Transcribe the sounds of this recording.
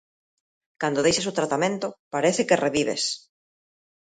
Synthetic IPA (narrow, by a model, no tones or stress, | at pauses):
kand̪oðejʃes̬ot̪ɾat̪amẽnt̪ʊpaɾeθɪkereβiβ̞ḛs